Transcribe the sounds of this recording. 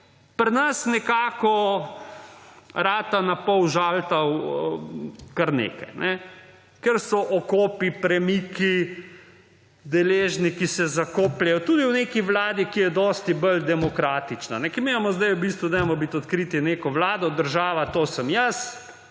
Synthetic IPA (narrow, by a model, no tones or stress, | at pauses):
pɾnɐsnɛkaːkɔ | ɾaːt̪anapɔwʒaːlt̪aw | kaɾnḛːka̰jnʔɛ | kɛɾsɔʔɔkoːpipɾɛmiːki | d̪ɛleːʒnikisɛzakoːplʲajɔt̪uːd̪iwnekiʋlaːd̪ikijɛd̪ɔst̪ibəld̪ɛmɔkɾaːt̪it͡ʃnanɛkiɾmejamɔzd̪ajubist̪ʋud̪ɛjmɔbit̪ɔt̪kɾit̪inekɔʋlaːd̪ɔd̪əɾʒaːʋat̪oːsəmjəs